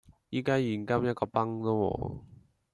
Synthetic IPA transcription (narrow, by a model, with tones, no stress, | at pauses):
jiː˨˥kaː˥jiː˨˩nkɐ˥mjɐ˥t̚kɔː˧pɐ˥ŋlɔ˥wɔ̰ː˨˧